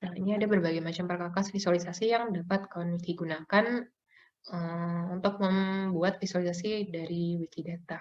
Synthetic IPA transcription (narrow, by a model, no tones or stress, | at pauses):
nainiadabərbaɡajmat͡ʃampərkakasfisualisasijaŋdapat̪̚kalanitiɡunakan | əunt̪ʊk̚məmbuat̪̚fisualisasidaɾiwik̪idat̪a